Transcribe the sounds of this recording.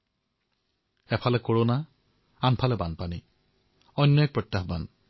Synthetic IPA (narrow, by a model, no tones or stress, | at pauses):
ɛpʰalɛkoɹona | anpʰalɛbanpani | ɔjnːɔɛk̚pɹɔtjaxba̰n